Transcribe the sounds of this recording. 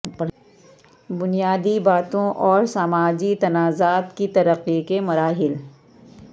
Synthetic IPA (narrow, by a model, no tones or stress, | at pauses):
bʊnijaːd̪ibaːt̪õʔɔːɾsaːmaːd͡ʒit̪ɐnaːzaːt̪kit̪ɐɾəqːikemɐɾaːɦɪl